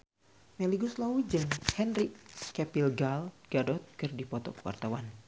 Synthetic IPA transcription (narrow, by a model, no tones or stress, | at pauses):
mɛliɡuslɔwid͡ʒɨŋhɛnrikɛpilɡalɡ̥adɔt̪̚kərdipɔt̪ɔ̰kəwa̰rt̪awan